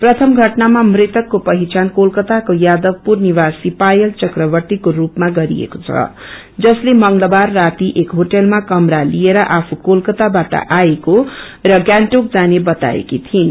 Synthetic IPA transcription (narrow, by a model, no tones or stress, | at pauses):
prʌt̪ʰʌmɡʱʌʈnamamret̪ʌkːopʌɦit͡sankolkʌt̪akojad̪ʌɡpurniβasipajʌlt͡sʌkrʌbʌrt̪ikorupmaɡʌɾḭḛkot͡sʰʌ̰ | d͡zʌslemʌŋlʌbarːat̪iʔekɦoʈʌlmakʌmɾalieɾʌʔapʰukolkʌt̪abaʈʌ̰ʔaeko | rʌɡjaɳʈok̚d͡zanebʌt̪a̰ḛkit̪ʰin